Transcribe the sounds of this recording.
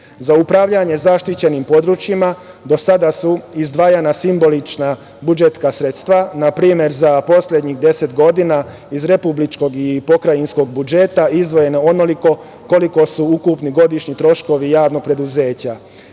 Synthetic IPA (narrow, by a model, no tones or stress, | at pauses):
zaupɾaʋʎaɲe̞zaʃt̪it͡ɕe̞nimpo̞d̪ɾut͡ʃjima | d̪o̞sad̪asuizd̪ʋaːjanasimbo̞lit͡ʃna | bud͡ʒet̪skasɾe̞t̪st̪ʋanapɾiːmje̞ɾzapo̞slʎʲed̪ɲiɣd̪e̞se̞t̪ɡo̞d̪ina | izɾe̞publit͡ʃko̞ɡipo̞kɾajinsko̞ɡ̚bud͡ʒe̞t̪aizd̪ʋo̞je̞neo̞noliko̞ | ko̞liko̞suukupniɡo̞d̪iʃɲit̪ɾo̞ʃko̞ʋijaːʋno̞ɡ̚pɾe̞d̪uze̞ːt͡ɕa